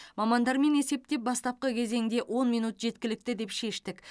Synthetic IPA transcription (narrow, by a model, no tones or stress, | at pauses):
mɑmɑnd̪ɑɾme̞ne̞se̞p̚t̪e̞p̚bɑst̪ɑp̚qəkʲʰe̞ze̞ŋd̪e̞ʔwʔo̞nmijnut̪ʒ̥e̞t̪kʲɪlɪk̚t̪ɪd̪e̞pʃe̞ʃt̪ɪk